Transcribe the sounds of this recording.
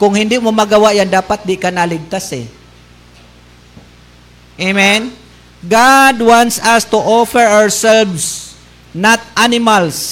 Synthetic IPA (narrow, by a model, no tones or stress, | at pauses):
kʊŋhɪnd̪ɪmomaɡawaʔjand̪aːpat̪̚d̪ɪkanalɪɡ̚t̪asɛ̰ | ʔemɛn | ɡad̪want̪sast̪uʔɔfɛɹaɹsɛlvs | nat̪̚anɪmals